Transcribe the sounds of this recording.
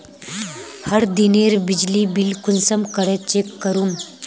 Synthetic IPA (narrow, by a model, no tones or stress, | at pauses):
həɾd̪ineɾbid͡ʑlibilkunsəmkəɽet͡ɕekːəɾum